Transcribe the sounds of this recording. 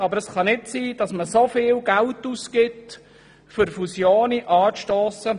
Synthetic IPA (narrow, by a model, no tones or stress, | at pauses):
ɑbəɾəsχɑnɪtsiːd̥ɑsməsofɪːlɡæltuskɪt | fʏɾfusjoːniʔɑːʃtoːsə